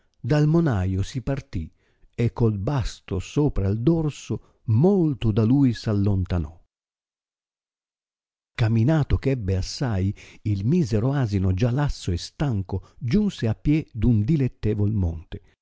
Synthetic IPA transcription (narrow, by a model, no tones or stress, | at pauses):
d̪almonajosipart̪i | ekːolbast̪osoːpɾaild̪ɔrso | molt̪ʊd̪alujsalːont̪anɔ | kaminaːt̪ʊkɛbːeasːajilmiːzɛɾoaːzinod͡ʒalasːoest̪aŋkod͡ʒunseapːjɛd̪und̪ilet̪ːɛːvolmɔ̰nt̪e